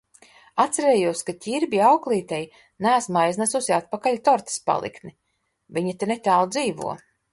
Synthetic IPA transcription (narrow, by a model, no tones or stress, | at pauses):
at̪sæɾeːjuɔskat̪ʲiɾbʲiawklˠiːt̪ɛj | næːsmajznasusiat̪̚pakaʎʲt̪ɔɾt̪i̥spa̰lˠḭkni | viɲat̪enet̪ʲaːlˠd̪ziːvṵɔ